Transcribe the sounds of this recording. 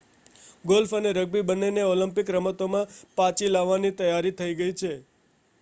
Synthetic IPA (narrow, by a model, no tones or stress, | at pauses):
ɡolfəneɾəɡ̚bibəneneɔləmpɪkɾəmət̪omãpãt͡ʃilaʋːanit̪əjaɾit̪ʰəiɡəit͡ʃʰe